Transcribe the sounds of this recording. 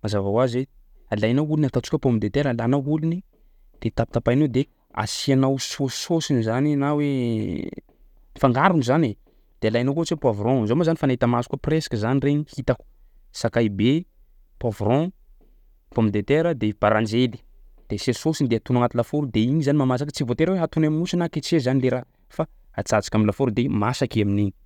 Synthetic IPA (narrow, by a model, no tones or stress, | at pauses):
mazavawazwe | alajnaulunat̪at͡su̥kʲəpomid̪et̪eɾəlanauluni | d̪̥et̪api̥t̪apajnod̪e | a̰sianawso̥sosinizaninawe | nifaŋɡaɾunuzane | d̪̥ealajnakot͡sepwavɾɔ̃zomazanifanaɦit̪amasu̥kupresḁkəzanireɲihit̪aku̥ | sakajibe | pavɾɔ̃ | pomid̪et̪eɾəd̪eb̥aɾãnd͡ʒeli̥ | d̪̥esesosind̪eat̪unuaŋat̪ulafoɾud̪eiɲizanimamas̬akət͡sivot̪eɾaweɦat̪unaminusinaket͡sezanileɾa | fa | at͡sad͡zḁkʲaminlafoɾud̪emasakiamineɲi̥